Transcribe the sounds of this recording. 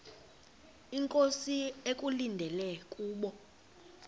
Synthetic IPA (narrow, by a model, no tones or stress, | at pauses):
iŋkʼosiekʼulindʱɛlɛkʼuːɓɔ